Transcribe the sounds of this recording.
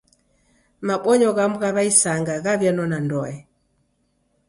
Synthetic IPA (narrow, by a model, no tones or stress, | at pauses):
maɓɔɲɔɣamuɣaβaisaŋɡaɣaβjanɔnandɔɛ